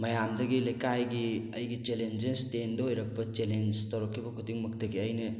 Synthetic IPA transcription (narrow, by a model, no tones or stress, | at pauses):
mɐjamdɐɡilekajɡiɐjɡit͡ʃelend͡ʒestendɐɦojɾɐk̚pɐt͡ʃelend͡ʒtɐwɾɐkʰːibɐkʰutiŋmɐk̚tɐɡiɐjnɐ